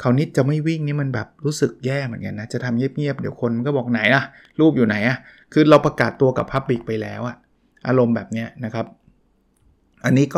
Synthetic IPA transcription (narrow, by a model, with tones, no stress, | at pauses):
kʰa˨˦wni˦˥t̪̚t͡ɕa˨˩ma˥˩jwi˥˩ŋniː˦˥ma˧nbɛː˨˩p̚ɾuː˦˥sɯ˨˩k̚jɛː˥˩mɯ˩˦nka˧nːa˦˥t͡ɕa˨˩t̪ʰa˧mŋi˥˩əp̚ŋi˥˩əp̚dḭː˨˦wkʰo˧nm˧nkɔː˥˩bɔː˨˩k̚na˩˦jʔa˧˩ | ɾuː˥˩p̚juː˨˩na˩˦jʔa˧˩ | kʰɯː˧ɾa˧wpa˧kaː˨˩t̪ːu˧ɐka˨˩pʰːa˦˥p̚li˨˩k̚pa˧jlɛː˦˥wʔa˨˩ | ʔaː˧ɾo˧mbɛː˨˩p̚ni˦˥ɐna˦˥kʰa˦˥p̚ | ʔa˧nːiː˦˥kɔː˥˩